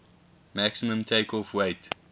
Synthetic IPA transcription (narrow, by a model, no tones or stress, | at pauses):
mæksimə̃mtʰeɪkʰɔfweɪt